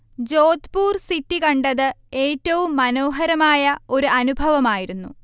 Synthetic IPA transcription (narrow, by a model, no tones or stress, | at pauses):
d͡ʑo̞ːd̪puːrsitːikɐɳɖɐðɨe̞ːtːɐʋumːɐno̞ːɦɐɾɐmaːjɐo̞ɾuɐnubʱɐʋɐmaːjiɾunːṵ